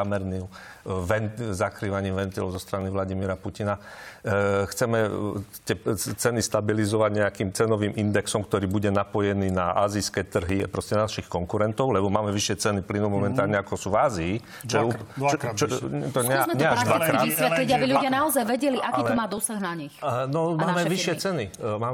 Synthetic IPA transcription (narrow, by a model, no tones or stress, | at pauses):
amɛɾnim | ʋɛntzakɾiːʋaɲiːmʋɛnt̪ilɔʊzɔst̪ɾaniʋlaɟimiɾapucina | xt͡sɛmɛt̪ɪɛt͡sɛnist̪abilizɔʋaɟɲɛakiːmt͡sɛnɔʋiːmʔind̪ɛksɔmkt̪ɔɾiːbuɟɛnapɔjɛniːnaʔa̰ːziskɛt̪r̩ɦipɾɔscɛnanaʃixkɔŋkuɾɛnt̪ɔʊlɛbɔmaːmɛʋiʃɪɛt͡sɛniplinumɔmɛnt̪aːlɲɛakɔsuːvaːziː | t͡ʃɔjɛut͡ʃt̪ɔɲɛmɛɲɛad̪ʋkɾaaːisʋɛt̪liɟabilʎuɟɪanaɔzajʋɛɟɛliʔakiːɔmaːd̪ɔsaɣnaɲixnɔmaːmɛʋiʃɪɛt͡sɛnimaːm